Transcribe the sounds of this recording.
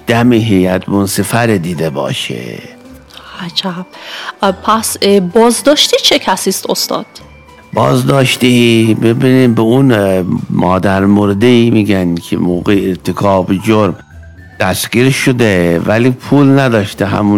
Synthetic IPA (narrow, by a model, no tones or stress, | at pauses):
d̪̥æmiɦejæd̪bonsefæɾed̪iːd̪ebɒ̰ːʃḛ | hæd͡ʒæbpʰæsbɒːzd̪ɒːʃt̪it͡ʃʰecʰæsiːst̪ost̪ɒ̰ːd̪̥ | bɒ̰ːzd̪ɒːʃt̪ibebiːniːmbeunmʔɒːd̪æɾmoɾed̪eiːmiːɡænkʰḛmoːɣeːɾt̪ʰekʰɒːbed͡ʒoɾm | d̪̥æsɡiːɾʃod̪evæliːpʰuːlnæd̪ɒːʃt̪eɦæ̰mu